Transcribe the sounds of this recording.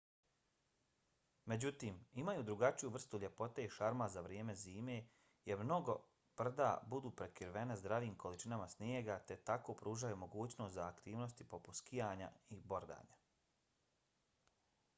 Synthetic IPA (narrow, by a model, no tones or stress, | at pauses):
me̞d͡ʑut̪iːmimajud̪ɾuɡat͡ʃijuʋr̩st̪uʎʲe̞po̞t̪e̞iʃaɾmazaʋɾjeːme̞ziːme̞ː | jeɾmno̞ɡo̞ | b̥r̩d̪a̰ːbud̪uːpɾe̞kiɾʋe̞nezd̪ɾaʋiːmkʰo̞lit͡ʃinamasnjeɡat̪e̞t̪ako̞ːpɾuːʒajumo̞ɡuːt͡ɕno̞ːst̪zaːkt̪iːʋno̞st̪ipo̞pu̥t̪skijaːɲa̰ibo̞ɾd̪a̰ːɲa